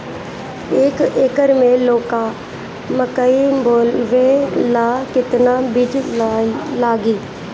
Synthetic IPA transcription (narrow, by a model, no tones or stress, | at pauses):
eːkeːkəɾmẽloːka | məkəiboːlʋẽlaːkɪt̪nabɪd͡ʒ | laːɡiː